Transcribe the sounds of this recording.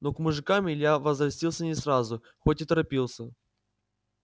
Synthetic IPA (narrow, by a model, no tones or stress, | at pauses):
nokmʊʐɨkamʲɪlʲjavəzɾɐsʲtʲilˠsʲənʲɪsrazʊ | xotʲɪt̪əɾɐpʲilˠsʲə